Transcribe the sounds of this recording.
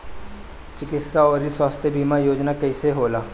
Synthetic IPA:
t͡ʃɪkɪt̪saɔːɾiswaːst̪ʰjebʱiːmajoːd͡ʒnakɛːseɦoːlaː

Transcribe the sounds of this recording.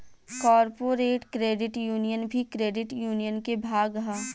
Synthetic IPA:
kɔːɾpoːɾeːʈkɾeːɖɪʈjuːnijənbʱikɾeːɖɪʈjuːnijənkebʱaːɡɦaː

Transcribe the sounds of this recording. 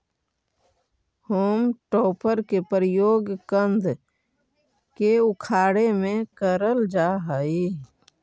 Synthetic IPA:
huoːmʈoːpəɾkepɾjoːɡkənd̪ʱ | keʊkʰaːɽemẽkəɾəld͡ʒaɦəi

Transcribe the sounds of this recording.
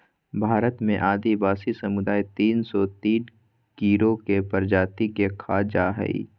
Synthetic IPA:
bʱaːɾət̪mḛ̃ʔaːd̪ibaːsisɐmʊd̪aːit̪iːnsɔt̪iːn | kiːɾokepəɾd͡ʒaːt̪ikekʰaːd͡ʒaːɦə̰ḭː

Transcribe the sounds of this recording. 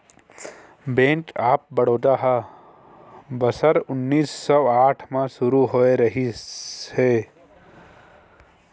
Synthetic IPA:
bẽːnʈaːp̚bɐɽ̤oːt̪aːɦaː | bɐsəɾʊnːiːsːɔːaːʈʰmãsʊɾuɦoːeɾɐɦiheː

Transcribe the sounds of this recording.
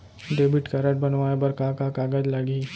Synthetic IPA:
ɖeːbɪʈkaɾɐʈ̚bɐnʋaːebɐɾkakakaːɡəd͡ʒlɐɡiː

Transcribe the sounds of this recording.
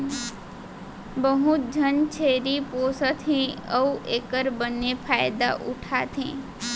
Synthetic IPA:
bəɦʊt̪̚d͡ʒʱənt͡ʃʰeɾiposət̪ʰẽəuʔeːkəɾbənepʰaːjd̪a̰ʔʊ̰ʈʰat̪ʰẽː

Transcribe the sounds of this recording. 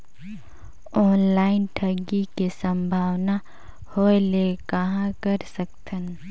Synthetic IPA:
ɔːnlaːɪnʈʰɐɡikesə̃mbʱaːwna | holekɐɦãkəɾsək̚t̪ʰən

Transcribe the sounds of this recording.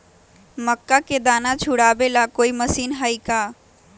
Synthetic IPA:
məkːaked̪aːnat͡ʃʰʊɽaːbelakoːiməsiːnɦaːikaː

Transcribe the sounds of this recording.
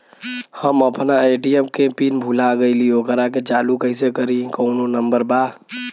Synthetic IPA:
həməpʰnaeʈiemkepinbʱulaɡəɪliokɾaked͡ʒalukəjsekəɾĩkəʊnonəmbəɾba

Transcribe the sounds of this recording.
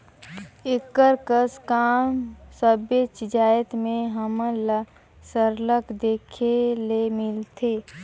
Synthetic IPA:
ɪkːəɾkəskaːmsəbet͡ʃɪd͡ʒaːjət̪mẽɦəməl | səɾləkd̪eːkʰelemɪlt̪ʰeː

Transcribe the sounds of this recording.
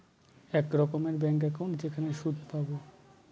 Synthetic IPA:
ɛkɾɔkomeɾbɛŋk̬ɛkaw̃ɳʈd͡ʑekʰaneʃud̪ʱpabo

